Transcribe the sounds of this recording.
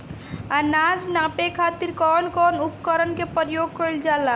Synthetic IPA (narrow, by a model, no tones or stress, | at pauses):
anad͡ʒnapekʰat̪iɾkɔnkɔnupkəɾənkepəɾjoɡ̚kəjld͡ʒala